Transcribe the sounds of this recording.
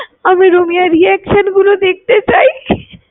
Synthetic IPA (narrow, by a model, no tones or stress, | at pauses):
amiɾomijaɾiɛkʃənɡulod̪ek̚t̪et͡ɕai